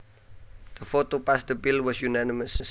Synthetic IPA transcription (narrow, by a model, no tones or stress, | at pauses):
d̪̥əfotopastəbilwɔsjunanɪməsəs